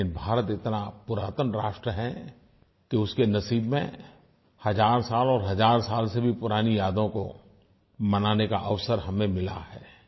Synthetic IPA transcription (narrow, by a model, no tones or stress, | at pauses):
ɪnbʱaːɾət̪ɪt̪napʊɾaːt̪ənɾaːʃʈɾəɦɛ | kiʊskenɐsiːbmḛ̃ | hɐd͡ʒaːɾsaːlɔːɾɦɐd͡ʒaːɾsaːlsebʱipʊɾaːnijaːd̪õko̰ | mɐnaːnekaʔəʋsəɾɦɐmẽmɪla̰hɛ̰ː